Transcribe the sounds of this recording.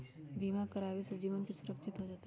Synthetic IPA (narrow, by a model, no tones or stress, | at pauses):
biːmakəɾaːʋisɐd͡ʒiːʋənkisʊɾəkʃʰɪt̪ɦod͡ʒaːt̪e